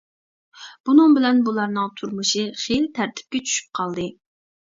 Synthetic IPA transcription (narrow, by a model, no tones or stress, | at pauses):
b̥unɨŋbɪlɛnbulˠɑɾnɨŋt̪ʰuɾmuʃɨχelt̪ʰæɾt̪ʰɪ̥p̚kʲɛt͡ʃʰy̥ʃy̥p̚qʰɑlˠd̪ɨ